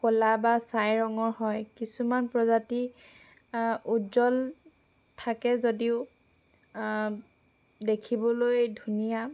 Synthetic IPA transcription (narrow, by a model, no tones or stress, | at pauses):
kolabasajɹɔŋɔɹhɔjkisumanpɹɔzati | uzɔl | tʰakɛzodiʊ | dekʰibɔlojdʱunija